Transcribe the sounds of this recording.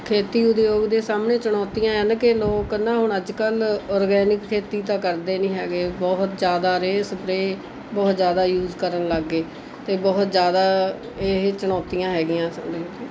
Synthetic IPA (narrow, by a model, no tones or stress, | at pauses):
kʰeːt̪iːʊd̪joːɡd̪eːsaːmneːt͡ʃəɽ̃ɔːt̪ijãːɛnkɪloːknãːɦʊɳəd͡ʒkəlɔːɾɡɛːnɪkʰːeːt̪iːt̪ãːkəɾd̪eːnĩːɦɛːɡeːbɔːɦt̪d͡ʒjaːd̪aːɾeːspɾeː | bɔːt̪zjaːd̪aːjuːzkəɾənləɡːeː | t̪eːbɔːt̪d͡ʒjaːd̪aː | eɦt͡ʃəɳ̃ɔːt̪ijãːɦɛːɡɪjãːsdeː